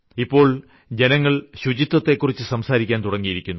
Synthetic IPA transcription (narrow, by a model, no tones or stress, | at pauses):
ipːo̞ːɭ | d͡ʑe̞nɐŋːɐɭɕud͡ʑit̪ːɐt̪ːe̞kːurit͡ɕːɨsɐmsaːɾikʲːaːnt̪uɽɐŋːijiɾikʲːunːu